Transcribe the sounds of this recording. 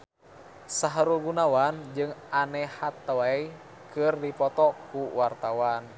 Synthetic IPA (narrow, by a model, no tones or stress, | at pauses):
saɦɾuɡunawand͡ʒɨŋanɛhat̪ːəwai | kɨrdipɔt̪ɔkuwart̪awan